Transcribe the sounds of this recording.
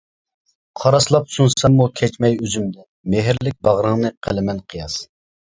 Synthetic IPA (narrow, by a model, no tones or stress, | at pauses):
qʰɑɾɑslˠɑpsunsɑmːukʲʰɛt͡ʃmɛjøzymd̪ɛ | meɦɪɾlɪk̚ʲbɑʁɾəŋnɨqʰə̰lɪmɛnqʰɨjɑs